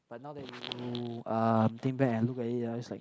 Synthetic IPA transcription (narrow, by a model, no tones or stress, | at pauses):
b̥at̚nawdɛt̚iuʌmt̪ɪ̃ŋbɛkɛ̃nlukɛtɪtɔslaɪk